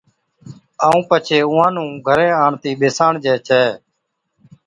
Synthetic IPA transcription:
aːũːpət͡ʃʰeːʊ̃ːãːnũːɡʱəɾẽːaːɳt̪iːɓeːsãːɳd͡ʒɛːt͡ʃʰɛː

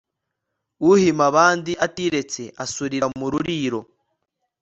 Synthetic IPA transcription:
uhimaβaːndiʔatiɾe̞t͡se̞ʔasuɾiɾamuɾuɾiːɾo̞

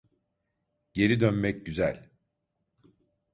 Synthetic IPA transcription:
ɟe̞ɾid̪ønmɛcɟyzælʲ

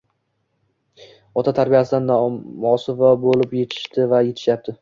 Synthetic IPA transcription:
ɒt̪ʰat̪ʰaɾbijasɪd̪anːmɒsɪvɒbolɪpje̞t̪ʰɪ̥ʃt̪ɪvaje̞t̪ʰɪ̥ʃjap̚t̪ʰɪ

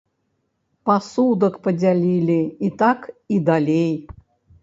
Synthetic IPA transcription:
pɐsud̪əkpədʲalʲilʲiit̪akid̪alʲej

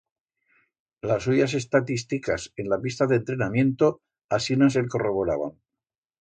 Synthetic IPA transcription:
lasuʝas̬e̞st̪at̪ist̪ikase̞nlapist̪aðe̞nt̪ɾe̞namjẽ̞nt̪o̞ | asinaselko̞ro̞βo̞ɾaβ̞a̰ŋ

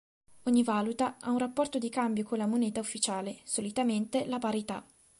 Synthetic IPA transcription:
oɲːivaːlut̪aʔa̰unrapːɔrt̪od̪ikambjokonlamoneːt̪aufːit͡ʃaːlesolit̪ament̪elapaɾit̪a

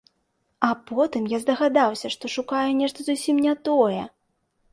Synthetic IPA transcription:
apɔt̪ɨmjazd̪ɐɣad̪awsʲɐʂt̪ɔʂukajɛnʲɛʂt̪ɐzusʲimnʲat̪ɔjɛ̰

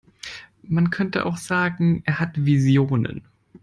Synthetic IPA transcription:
mankʰœntəʔa̰ʊxz̥aːɡŋ̩ʔeːɐɦatvizjoːnə̰n

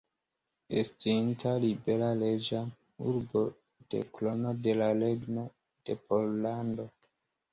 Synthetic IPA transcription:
estintalibe̞lale̞d͡ʒa | uɾbo̞ | d̥e̞̰klo̞no̞de̞laleɡno̞ | d̥e̞pʰollando̞

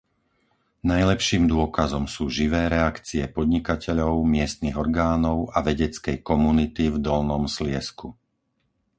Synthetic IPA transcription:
najlɛpʃiːmd̪ʊɔkazɔmsuːʒiʋɛːɾɛakt͡siɛpɔd̪ɲikacɛʎɔʊmɪɛst̪niɣɔɾɡaːnɔʊaʋɛɟɛt͡skɛjkɔmunit̪ivd̪ɔlnɔmslɪɛsku

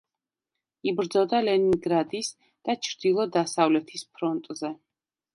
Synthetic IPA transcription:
ibɾd̪zɔd̪alɛniŋɡɾad̪is | d̪̥at͡ʃʰɾd̪̥ilˠɔd̪asavlɛt̪ʰispʰɾɔnt̪ʼzɛ

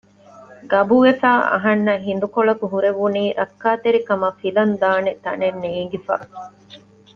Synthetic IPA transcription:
ɡɐbuʋefaːʔɐ̰ɦɐnːɐɦind̪ukoɭɐkuɦuɾeʋuniːɾɐkːaːt̪eɾikɐmɐfilɐnd̪aːnet̪ɐnenːeːŋɡifa̰ː

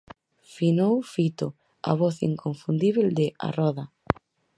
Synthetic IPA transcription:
finowfit̪ʊ | a̰βɔθḭŋkoɱfund̪iβeld̪ɪa̰rɔðɐ

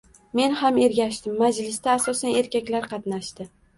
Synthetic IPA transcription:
me̞nhame̞ɾɡʲaʃt̪ɪmːad͡ʒlɪst̪aːsɒsane̞ɾkʲakʲlaɾqʰɑt̪naʃt̪ɪ

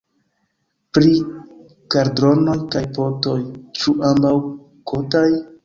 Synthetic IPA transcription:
pɾi | kaɾdɾo̞no̞jkajpo̞to̞jt͡ʃuʔambaw | kʰo̞taj

